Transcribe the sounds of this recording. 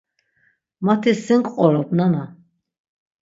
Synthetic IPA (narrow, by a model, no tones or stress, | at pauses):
mat̪ʰisiŋkʼqʼɔlɔpnana